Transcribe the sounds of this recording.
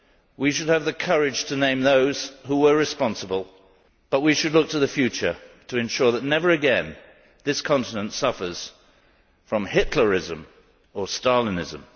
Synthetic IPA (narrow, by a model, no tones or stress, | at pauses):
wiʃɨd̚ɨvðɨkʰɜɹɪd̥ʒ̥tʰɨnẽɪ̃mðoʊz̥huwə˞ɹɨspɑ̃nsəbəlˠ | b̥ʌt̚wiʃɨdˡlʊk̚tʰɨðɨfjʉt͡ʃə˞ɾɨɨ̃nʃʊɹðətⁿnɛvə˞ɨɡɛ̃n | ðɪskʰɑ̃ntɨnə̃ntsʌfə˞z̥ | fɹʌ̃mhɪtʰˡlə˞ɪzɨ̃m | ə˞stɑɹlˠĩnɪzɨ̰̃m